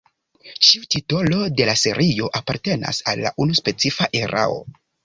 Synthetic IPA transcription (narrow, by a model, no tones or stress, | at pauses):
t͡ʃiutito̞lo̞de̞lase̞ɾʔio̞ʔapaɾte̞na̰salːa̰ʔunuspe̞t͡sifaʔe̞ɾa̰o̞̰